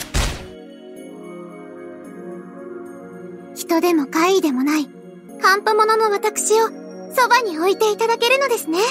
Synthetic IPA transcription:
çi̥t̪o̞d̪e̞mo̞kaid̪e̞mo̞nai | kãmpomo̞no̞no̞βat̪akɯ̥ɕio̞ | so̞baɲ̟io̞it̪e̞it̪ad̪ake̞ɾɯ̟no̞d̪e̞sɨne̞

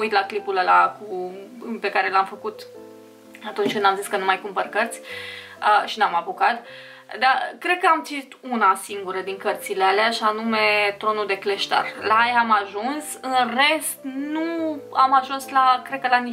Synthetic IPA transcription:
ujt̪laklipuləlakupe̞kaɾe̞lamfəkut̪ | at̪unt͡ʃkɨnd̪amziskənumajkumpərkərt̪sʲəʃinamabukat̪ | d̪akɾe̞d̪̚kəamt̪t͡ʃ̪it̪unasiŋɡuɾəd̪iŋkərt̪silealeaʃianume̞t̪ɾo̞nuld̪e̞kle̞ʃt̪a̰rlaajamaʒunsɨnre̞st̪nuamaʒunslakɾed̪̚kəlani

